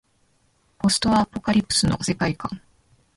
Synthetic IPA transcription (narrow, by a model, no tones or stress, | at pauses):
po̞sɨ̥t̪o̞βapo̞kaɾʲipːɯ̥sɨnose̞kaikã̰ŋ